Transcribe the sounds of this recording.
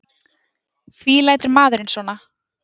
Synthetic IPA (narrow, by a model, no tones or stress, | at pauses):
fviːlaːjt̪ʏɾmaːðʏɾɪnsvɔːna